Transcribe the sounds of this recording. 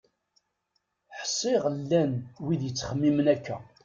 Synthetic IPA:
ħsˤːɪʁlːænwiðjət͡sːχəmːimənækːæ̰

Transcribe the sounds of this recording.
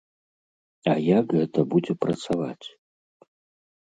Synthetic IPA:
ɐjakɣɛt̪ɐbud͡zʲɛpɾɐt̪sava̰t͡sʲ

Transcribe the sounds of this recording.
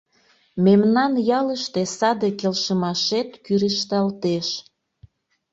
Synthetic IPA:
memnɑnjɑləʃt̪esɑd̪ekelʃəmɑʃet̪kyɾiʃt̪ɑlt̪eʃ

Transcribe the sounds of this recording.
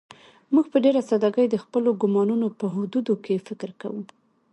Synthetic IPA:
muɡpəɖeɾasad̪ɑɡəjd̪əxpəloɡʊmɑnunopəɦʊd̪ud̪okefɪkɾka̰wu

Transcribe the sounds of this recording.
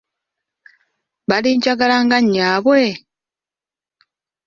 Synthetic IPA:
βaliːɲd͡ʒaɡalaŋɡaɲːaːβwe

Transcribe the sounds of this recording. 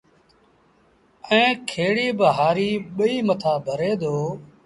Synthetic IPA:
ɛ̃ːkʰeːɽiːbəɦaːɾiːɓəiːmət̪ʰaːbʱəɾeːd̪oː

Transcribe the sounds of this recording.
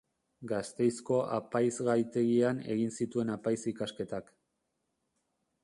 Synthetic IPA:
ɡast̪e̞jsko̞ʔa̰pajzɣajt̪e̞ɣiane̞̰ɣinsit̪ue̞napajsikaske̞t̪ak

